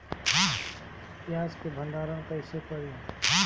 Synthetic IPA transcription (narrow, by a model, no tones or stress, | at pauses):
jaːskebʱə̃nɖaːɾãkəɪsepəɾi